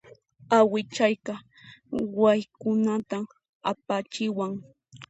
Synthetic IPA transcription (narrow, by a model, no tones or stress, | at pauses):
awɪt͡ʃajkɑ | wajkʊnat̪a | apat͡ʃɪwaŋ